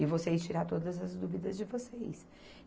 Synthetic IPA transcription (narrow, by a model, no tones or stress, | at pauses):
ɪvosejst͡ʃiɾat̪od̪ɐzɐzd̪uvid̪ɐzd͡ʒɪvosejs